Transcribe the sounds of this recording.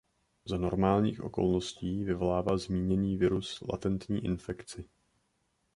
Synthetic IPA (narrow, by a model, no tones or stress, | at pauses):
zano̞ɾmaːlɲḭːxʔo̞̰ko̞̰lnosciːvɪvo̞laːvalzmiːɲɛniːvɪɾusla̰t̪ɛnt̪ɲḭːʔɪ̰nfɛkt͡sɪ